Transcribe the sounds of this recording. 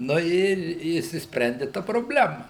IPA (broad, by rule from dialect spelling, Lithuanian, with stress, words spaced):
nʊ ˈɪr ɪ ɪʃʲsʲɪsʲpʲˈrʲɛnʲdʲɪ ˈtɐ proːbʲˈlʲæːmɐ